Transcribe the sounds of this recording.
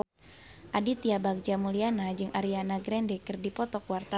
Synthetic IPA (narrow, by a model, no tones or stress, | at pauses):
ʔadit̪iabak̚d͡ʒamulianad͡ʒɨŋʔaɾianaɡɾɛndɛkɨrdipɔt̪ɔkwart̪a